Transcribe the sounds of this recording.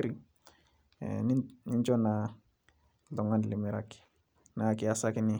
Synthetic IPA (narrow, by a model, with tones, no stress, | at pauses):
ɾi | nni˦nd͡ʒɔ˦na˨ | lɔ˨ŋa˦n˨li˨mɛ˨ɾaki̥˨ | na˨ki˨asa˦ki˦ni˦